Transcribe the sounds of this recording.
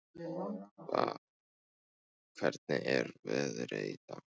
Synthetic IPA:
a | kʰvɛɾt̪̚nɪʔɛɾvɛːðɾejt̪a

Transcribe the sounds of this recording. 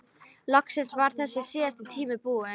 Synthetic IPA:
lɔksɪnsvaɾ̥θɛsːɪsɪːast̪ɪt̪ʰiːmɪpuːɪ

